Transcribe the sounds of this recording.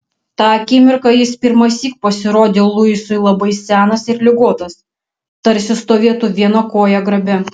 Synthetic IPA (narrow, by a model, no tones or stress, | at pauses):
t̪ɑːɐkʲɪmʲɪɾkɑjɪspʲɪɾmɐsʲiːk̚pɐsʲɪɾoːd̪ʲeːlˠʊɪsʊɪlˠɐbɐɪsʲæːnɐsɪɾlʲɪɡoːt̪ɐs | t̪ɐɾʲsʲɪst̪oːʋʲiɛt̪uʋʲiɛnɐkoːjɛɡɾɐbʲɛ